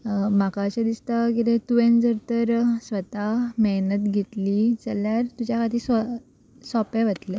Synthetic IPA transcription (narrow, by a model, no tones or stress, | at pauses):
makaɕed̪ist̪akit̪ẽt̪uʋẽnd͡zəɾt̪əɾsʋət̪ameɦnət̪ɡʱet̪liːt͡səljaɾt̪ud͡ʑjakʰat̪iːsə | sɔpẽʋət̪le